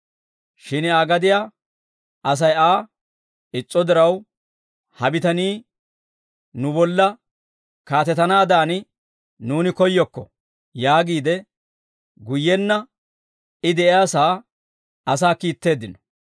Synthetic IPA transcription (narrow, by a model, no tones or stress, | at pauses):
ʃɪnaːɡɐd̪ɪjaː | ɐs̬ɐjaː | ɪt͡sʼːɔd̪ɪɾɐw | hɐbɪt̪ɐniː | nʊbɔlːɐ | kaːt̪ɛt̪ɐnaːd̪aːnɪ | nuːnɪkɔjːɔkːɔ | jaːɡiːd̪ɛ | ɡʊjːɛnːɐ | ɪd̪ɛʔɪjaːsaː | ɐsaːkiːt̪ːe̞ːd̪ːɪnɔ̥